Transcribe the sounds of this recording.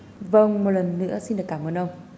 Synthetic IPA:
və˧ŋmo˨˩t̚lə˨˩nːɨ̰˧˥əsi˧nɗɨ˨˩əkaː˧mʔəː˧nʔə˧wŋ͡m

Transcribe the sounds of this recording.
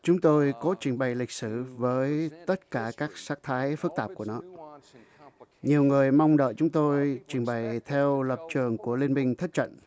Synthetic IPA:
t͡ɕʊ˨˦ŋ͡mt̪o˧jkɔ˨˦t͡ɕi˧˩ŋɓə˨˩jlï˨˩k̟̚sɨ˧˩vəː˨˦jt̪ə˦˥t̚kaː˧˩kaː˦˥k̚saː˦˥k̚t̪ʰaː˨˦jfɨ˦˥k̚t̪aː˧˩ku˧˩ənɔ˨˦ | ɲi˨˩əwŋɨ˨˩əjma˧wŋ͡mɗə̰ː˧˨jt͡ɕʊ˨˦ŋ͡mt̪o˧jt͡ɕï˧˩ŋɓa˨˩jt̪ʰɛ˧wlə˨˩p̚t͡ɕɨ˨˩əŋku˧˩əli˧ənmï˧ŋ̟t̪ʰə˦˥t̚t͡ɕə̰˧˨n

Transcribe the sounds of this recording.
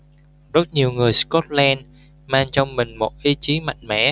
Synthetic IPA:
zə˦˥t̚ɲi˨˩əwŋɨ˨˩əjskɔ˦˥t̚lɛ˧n | maː˧ŋt͡ɕɔ˧wŋ͡mmï˨˩ŋ̟mo˨˩t̚ʔi˧t͡ɕi˨˦ma̰˨˧˨jŋ̟mɛ̰˧˩˨

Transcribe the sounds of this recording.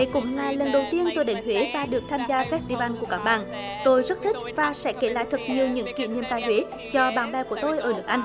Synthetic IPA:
jkʊ̰˧˥ŋ͡mlaː˨˩lə˨˩nɗə˨˩wt̪i˧ənt̪o˧jɗe˨˦nhwe˨˦vaː˨˩ɗɨ˨˩ək̚t̪ʰaː˧mzaː˧fɛ˦˥st̪i˧vaː˧nku˧˩əkaː˦˥k̚ɓa̰ː˧˨ŋ | t̪o˧jzə˦˥t̚t̪ʰi˦˥k̚vaː˨˩sɛ̰˧˥ke˧˩la̰ː˧˨jt̪ʰɨ˨˩k̚ɲi˨˩əwɲɨ̰˧˥ŋkḭ˧˨ni˧əmt̪aː˧jhwe˨˦ | t͡ɕɔ˧ɓaː˧˩nɓɛː˧ku˧˩ət̪o˧jʔəː˧˩lɨ˨˦˩k̚ʔa˧jŋ̟

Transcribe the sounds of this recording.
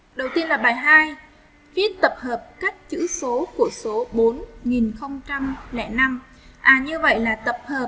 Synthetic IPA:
ɗə˨˩wt̪i˧ənlaː˨˩ɓaː˨˩jɦaː˧j | fi˦˥ət̚t̪ə˨˩p̚həː˨˩p̚ka˦˥jk̚t͡ɕɨ̰˧˥so˨˦ku˧˩əso˨˦ɓo˨˦nŋi˨˩nxə˧wŋ͡mt͡ɕa˧mlɛ̰˧˩na˧m | ʔaː˨˩ɲɨ˧və̰˧˨jlaː˨˩t̪ə˨˩p̚həː˨˩p̚

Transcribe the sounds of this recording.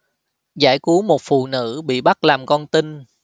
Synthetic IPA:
zaː˧˩jku˨˦əmo˨˩t̚fṵ˧˨nɨ̰˧˥ɓḭ˧˨ɓa˦˥t̚laː˨˩mkɔ˧nt̪i˧n

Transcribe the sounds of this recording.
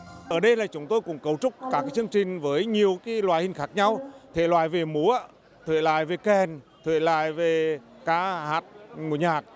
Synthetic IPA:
ʔəː˧˩ɗə˧jlaː˨˩t͡ɕʊ˨˦ŋ͡mt̪o˧jkʊ̰˧˥ŋ͡mkə˨˧˩wt͡ɕʊ˦˥k͡p̚kaː˦˥kaː˨˦jt͡ɕɨ˧əŋt͡ɕï˨˩ŋ̟vəː˨˦jɲi˨˩əwkaː˨˦lwaː˧˨jhï˧˩ŋ̟xaː˦˥k̚ɲa˧wt̪ʰḛ˧˨˩lwa̰ː˧˨jve˨˩mu˨˦ | t̪ʰɨ̰˧˨jla̰ː˧˨jve˨˩kɛ˨˩nt̪ʰɨ̰˧˨jla̰ː˧˨jve˨˩ | kaː˨˧˥haː˧˨˩t̚ŋu˧˩˦ɲaː˨˩t̚

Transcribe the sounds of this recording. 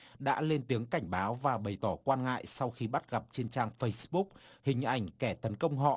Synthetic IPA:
ɗa̰ː˧˥le˧nt̪i˨˦əŋka˧˩jŋ̟ɓaː˨˦wvaː˨˩ɓə˨˩jt̪ɔ˧˩kwaː˧nŋa̰ː˧˨jsa˧wxi˧ɓa˦˥t̚ɣa˨˩p̚t͡ɕe˧nt͡ɕaː˧ŋfə˧jsɓʊ˦˥k̚hï˨˩ŋ̟ʔa˨˧˩jŋ̟kɛ˧˩t̪ə˨˦nkə˧wŋ͡mɦɔ̰˧˨

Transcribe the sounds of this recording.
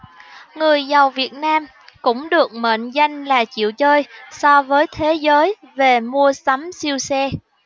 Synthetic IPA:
ŋɨ˨˩əjza˨˩wvi˨˩ət̚naː˧m | kʊ̰˧˥ŋ͡mɗɨ˨˩ək̚mḛː˧˨nza˧jŋ̟laː˨˩t͡ɕḭ˧˨əwt͡ɕəː˧jsɔ˧vəː˨˦jt̪ʰe˨˦zəː˨˦jve˨˩mu˧əsa˨˦msi˧əwsɛ˧

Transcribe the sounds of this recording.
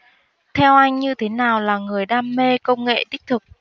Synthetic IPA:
t̪ʰɛ˧wʔa˧jŋ̟ɲɨ˧t̪ʰe˨˦naː˨˩wlaː˨˩ŋɨ˨˩əjɗaː˧mːe˧kə˧wŋ͡mŋḛ˧˨t̪ï̟˦˥t̪ʰɨ˨˩k̚

